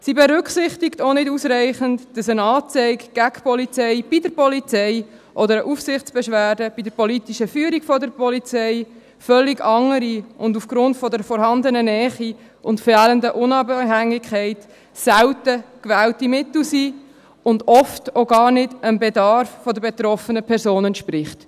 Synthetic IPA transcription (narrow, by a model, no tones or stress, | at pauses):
sibɛɾʏkχsɪχtɪktonɪdusɾæɪχəntd̥ɑsənɑːt͡sɛɪkɡ̥æɡpɔlit͡sɛɪb̥idəɾpɔlit͡sɛɪ | ʔɔdəɾəʔufsɪχt͡sb̥ɛʃʋæːɾdəb̥idəɾpɔlitiʃəfyːəɾikfɔdəɾpʰɔlit͡sɛɪ | fœlːiɡɑŋəɾiʊndufɡ̥ɾʊntfɔdəɾfɔɾhɑndənənɛːχi | ʔʊntfɛːləndəʔʊnɑbhæŋɪkʰχɛɪt | sæwtəkʋɛːltimɪtl̩siː | ʊndɔftoɡɑːrnɪdənbedɑɾfːɔdəbet̪rɔfənəpʰɛɾzoːnənʃprɪχt